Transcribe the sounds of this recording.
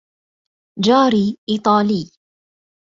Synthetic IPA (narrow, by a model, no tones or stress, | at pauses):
d͡ʒaːɾiːʔiːt̪ˤɑːliː